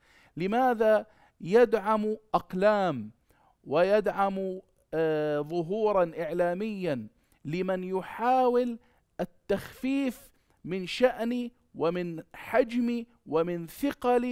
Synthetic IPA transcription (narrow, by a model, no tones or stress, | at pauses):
lɪmaːða | jad̪ʕamʔɑqlaːm | wɪjad̪ʕamu | ðˤʊɦuːɾˤɑnʔɪʕlaːmɪjːan | lɪmanjʊħaːwɪl | ʔɪt̪ːaxfiːf | mɪnʃaʔni | wɪmɪnħad͡ʒmi | wɪmɪnθɪqɑli